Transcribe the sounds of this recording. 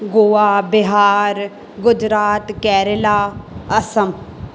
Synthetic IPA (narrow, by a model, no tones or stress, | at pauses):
ɡoːaːbɪɦaːɾ | ɡʊd͡ʒɾaːt̪kɛːɾəlaːəsəm